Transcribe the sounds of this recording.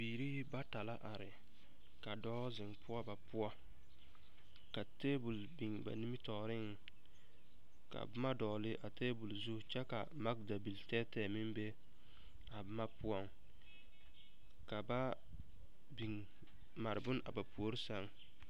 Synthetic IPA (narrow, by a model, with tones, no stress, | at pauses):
biː˨ɾi˦ba˦ta˨la˦ʔa˨ɾɪ˨ | ka˨dɔː˦zɪ˨ŋpʰʊ˦ɔ˦ba˨pʊ˦ɔ˦ | ka˨teː˦bu˨l | bi˨ŋba̰˨ni˦mi˦tɔ˨ɾɪ˦ŋ˨ | ka̰˨bʊ˦ma˦dɔː˨lɪ˦ʔa˨teː˦bu˨lzu˦t͡ʃɛ˦ka˨ma˦k̚da˨bi˨ltɛː˦tɛː˦˨mɪ˦mbe˦ | a˨bʊ˦ma˦pʰʊ˦ɔ˦ŋ | ka˨ba˦ | bi˨ŋ | ma˨ɾɪ˨bʊ˦nʔa̰˨ba˨pu˨o˦ɾi˦sa˨ŋ